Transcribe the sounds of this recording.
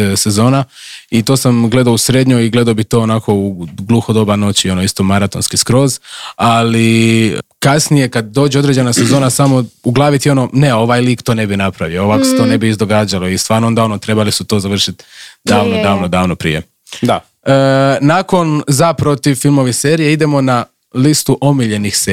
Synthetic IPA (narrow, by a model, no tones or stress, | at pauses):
se̞zo̞ːnait̪o̞ːsamɡle̞d̪ausɾed̪ɲoiɡle̞d̪aobit̪o̞ːnaːko̞uɡlˠuxod̪o̞bano̞t͡ɕio̞noist̪omaɾat̪o̞nskiskɾo̞zali | kasnije̞kad̪̚d̪o̞ːd͡ʑeo̞d̪ɾed͡ʑenase̞zo̞ːnasamo̞uɡlˠaːʋit̪jio̞no̞neo̞ʋajliːkt̪one̞binapɾaʋioʋakoset̪o̞ne̞biːzd̪o̞ɡaːd͡ʑalo̞ist̪ʋaːɾnoo̞nd̪ao̞not̪ɾe̞balisut̪o̞zaʋr̩ʃit̪d̪aːʋnod̪aːʋnod̪aːʋnopɾḭje̞̰ | d̪a | nako̞nzapɾo̞t̪iʋfilˠmo̞ʋiseːɾijeid̪e̞mo̞na | list̪uʔo̞miʎe̞nixse